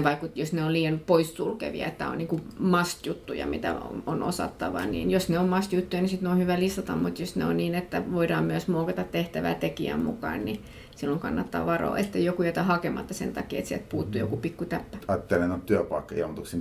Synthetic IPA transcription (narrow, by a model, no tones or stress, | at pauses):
ʋɑikut̪josneoliːjɑnpoisːulkḛʋḭɑ̰et̪ːæo̰nniːŋkumɑst̪jut̪ːujɑ̰mit̪æ̰ono̰sɑ̰t̪ːɑʋɑ̰nḭːnjosneommɑst̪jut̪ːujɑnisit̪neonhyʋælist̪ɑt̪ɑmmut̪josneo̰nniːnet̪ːæʋoidɑːmmyøsmoːkɑt̪ɑt̪t̪eht̪æʋæ̰t̪ekiæ̰mmukɑ̰ːnni | silːoŋkɑnːɑt̪ːɑ̰ʋɑro̰ːe̥t̪ːejokujet̪æhɑkemɑ̰t̪ːɑsḛnt̪ɑkiːet̪siɛlt̪̚puːt̪ːujo̰kupikːut̪æpːæɑːt̪ːelenot̪t̪yøpɑˑikːɑjont̪uksin